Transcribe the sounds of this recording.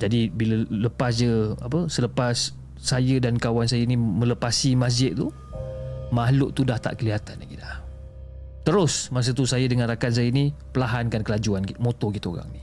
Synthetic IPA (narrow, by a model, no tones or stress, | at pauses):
d͡ʒadibilələpasd͡ʒəa̰pəsələpasː | ajədankawansajəinimə̃ləpasimas̬d͡ʒɪt̪̚t̪ṵ | maɦlʊʔt̪udaht̪a̰ʔkəliɦat̪anaɡidah | t̪əɾʊsmas̬ət̪usajədəŋanrakans̬ajəinipəlaɦankankəlad͡ʒuankimot̪okit̪əo̰ɾa̰ŋni